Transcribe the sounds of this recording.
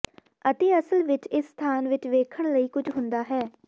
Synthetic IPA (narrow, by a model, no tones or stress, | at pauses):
ət̪eːəsəlʋɪt͡ʃɪsːt̪ʰaːnʋɪt͡ʃʋeːkʰəɳ̃ləiːkʊd͡ʒɦʊ̃nd̪aːɦɛː